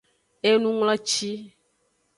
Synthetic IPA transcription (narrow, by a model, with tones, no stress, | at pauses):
e˦nũ˦ŋlɔ̃˦t͡ʃi˦